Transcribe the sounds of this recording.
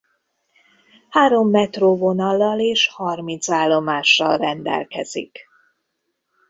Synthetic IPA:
haːɾo̞mːɛt̪roːvo̞nɒlːɒleːʃhɒrmint̪saːlːo̞maːʃːɒlrɛnd̪ɛ̰lkɛ̰z̥ḭk

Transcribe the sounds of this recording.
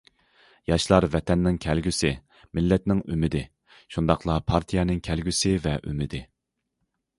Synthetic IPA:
jɑʃlˠɑɾvɛt̪ʰɛnːɪŋkʲʰɛlɡʲysɪ | mɪlːɛt̪nɪŋymɪd̪ɪ | ʃund̪ɑqʰlˠɑpʰɑɾt̪ʰijɛnɪŋkʲʰɛlɡʲysɪvɛʔy̰mɪd̪ɪ

